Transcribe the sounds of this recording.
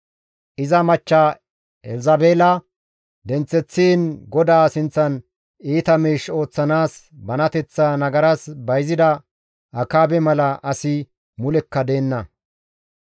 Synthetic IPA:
ʔɪzɐmɐt͡ʃːa | ɛlzɐbe̞ːlɐ | d̪ɛnt͡sːɛt͡sːiːnɡɔd̪aːsɪnt͡sːɐn | iːt̪ɐmiːʃo̞ːt͡sːɐnaːs | bɐnɐt̪ɛt͡sːaːnɐɡɐɾɐsbɐjzɪd̪ɐ | ʔɐkaːbɛmɐlɐʔɐsɪ | mʊlɛkːɐd̪e̞ːnːɐ

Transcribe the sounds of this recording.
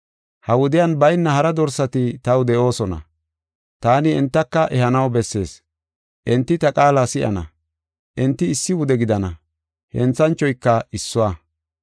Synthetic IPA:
hɐwʊd̪ɪjɐnbɐjnːɐhɐɾɐd̪ɔɾsɐt̪ɪt̪ɐwd̪ɛʔo̞ːsɔnɐ̰ | t̪aːnɪɛnt̪ːɐkːɐʔɛhɐnɐwbɛsːe̞̰ːs | ʔɛnt̪ːɪt̪ɐkʼaːlasɪʔɐ̰nɐ̰ | ʔɛnt̪ːɪːsːɪwʊd̪ɛɡɪd̪ɐnɐ | hɛnt͡sːɐnt͡ʃːɔjkːɐɪsːʊwa

